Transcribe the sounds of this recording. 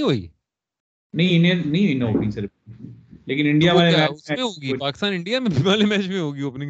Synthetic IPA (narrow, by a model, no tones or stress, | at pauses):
ɦoːḭː | nɐɦĩɪnẽnɐĩɪnẽɦo̰ːɡisəɾ | leːkɪnɪ̃ɳɖijaʋaːleaɛːʊsmẽɦoːɡiːpaːkɪst̪aːnɪ̃ɳɖijamẽbʱɪʋaːlemɛːt͡ʃmẽɦoːɡiːɐpne